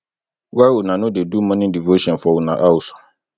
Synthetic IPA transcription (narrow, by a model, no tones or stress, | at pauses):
wawunãnʊ̃dɪdumɔ̃nɪ̃divoɕɔ̃nfɔwunã̰ʔawusʊ̥